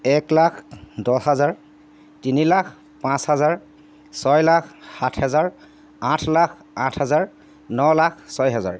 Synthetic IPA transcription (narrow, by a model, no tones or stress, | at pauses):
ɛklakʰdɔɦazaɹ | tinilakʰ | pãshazaɹ | sɔjlakʰhatʰhɛzaɹ | ãtʰlakʰ | ãtʰhazaɹ | nɔlakʰsɔjɦɛza̰ɹ